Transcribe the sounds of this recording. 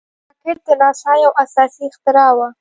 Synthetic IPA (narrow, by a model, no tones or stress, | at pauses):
kɪʈ̚d̪ənɑsɑjawʔasɑsixt̪ɪɾɑwa